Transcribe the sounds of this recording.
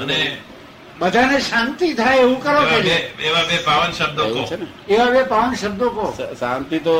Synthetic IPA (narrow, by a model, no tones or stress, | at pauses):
əne | bəd̪ʱaneʃant̪it̪ʰaeeʋũkəɾõeeeʋabepaʋənʃəb̚d̪ʱəḛʋõt͡ʃʰenɛ | eʋabepaʋənʃəb̚d̪ʱəkossãnt̪it̪o